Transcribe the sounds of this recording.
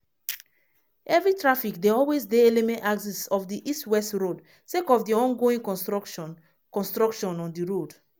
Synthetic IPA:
ɛvɹitɹafikdeɔlwezdeelimẽntaɡsisɔfdiʔistwɛstɹod | sekɔfdiɔ̃nɡoĩŋ | kɔ̃nstɹɔkʃɔ̃nɔ̃ndiɹod

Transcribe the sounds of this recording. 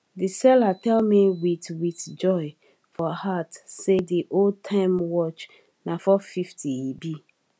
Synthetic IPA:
disɛlatʰɛlmiwitwitd͡ʒɔɪ | fɔhatsediʔol̚tʰãɪmwɔt͡ʃ | nafɔfiftʰiibi

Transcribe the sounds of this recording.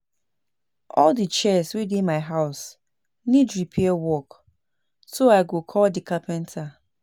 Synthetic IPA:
ɔldit͡ʃɛswidĩnmaɪɦaʊs | nidɹipʰɛɛwɔk | soaɪɡokʰɔldikapɛ̃ntʰa

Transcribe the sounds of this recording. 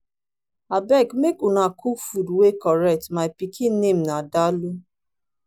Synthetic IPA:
abɛkmekunakʰufudwekɔɾɛk̚tmapikinːem̩nadalu

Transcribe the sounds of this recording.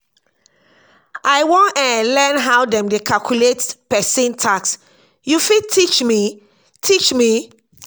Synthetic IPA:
ʔajwɔ̃nɛ̃lɛnɦawdɛ̃mdekʰalkʰjuletpɛsĩntʰaks | jufid̚tʰit͡ʃmi | tʰit͡ʃmi

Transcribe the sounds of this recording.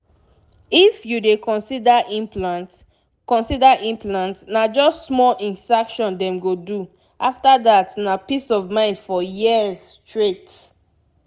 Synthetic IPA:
ifjudekɔ̃nsidaʔĩmplãnt | kɔ̃nsidaʔĩmplãntnad͡ʒɔstsmɔlĩnsakʃɔ̃ndɛ̃mɡodu | aftadatnapisɔvmãɪ̃ndfɔjizstɹet

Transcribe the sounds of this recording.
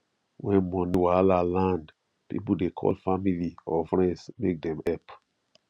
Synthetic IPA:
wɛ̃nmɔ̃niwalalãnd | pḭp̩dekʰɔ̰lfamiliɔfɹɛ̃ndsmek̚dɛ̃mɛp

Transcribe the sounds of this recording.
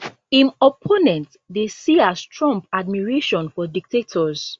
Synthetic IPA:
ĩnɔpʰonɛ̃nt | desiastʰɹɔ̃mpad̚miɹeʃɔ̃nfɔdik̚tetʰɔz̥

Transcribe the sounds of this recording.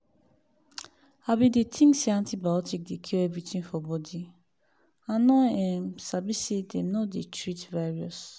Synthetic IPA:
abidetʰĩŋsiãntibaɔtik̚dekʰiɛvɹitĩnfɔbɔdi | ãnɔɛmsabisedɛmnɔdetʰɹitvɛɹiɔs

